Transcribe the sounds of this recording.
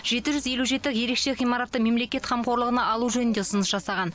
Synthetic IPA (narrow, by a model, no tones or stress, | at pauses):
ʒ̥e̞t̪ɪʒʏzje̞luʒe̞t̪ɪje̞ɾe̞kʃe̞ʁijmɑɾɑt̪ːəme̞mle̞kʲe̞t̪χɑmqo̞ɾlˠəʁənɑɑlˠuʒɵnɪnd̪e̞ʊsənəsʒ̥ɑsɑʁɑn